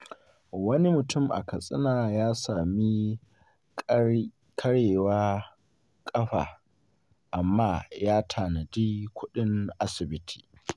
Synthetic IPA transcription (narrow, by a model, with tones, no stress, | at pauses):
wɐ˦ni˦mʊ˨tʊ˦˨mʔa̰˨kɐ˨sʼɪ̰˦naː˨jaː˦saː˨mi˦ | kʰɐ˦ɽeː˨waː˦ | kʼɐ˦ɸa̰ː˨ | ʔa˨mːaː˦jaː˦tʰaː˨nɐ˨diː˦kʷʊ˦ɗɪ˦ŋʔa˦sɪ˨bɪ˦tʰi̥ː˨